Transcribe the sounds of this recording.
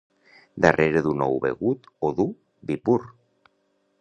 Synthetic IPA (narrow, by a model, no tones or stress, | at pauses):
d̪əreɾeðunɔwβḛɣut̪oðu | bipur